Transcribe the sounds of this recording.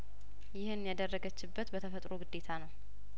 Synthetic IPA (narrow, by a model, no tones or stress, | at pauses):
jɪhɨnjad̪ərːəɡət͡ʃːɪbːət̪bət̪ʰəfət̪ʼɾoɡɨd̪ːe̞t̪ʰanəw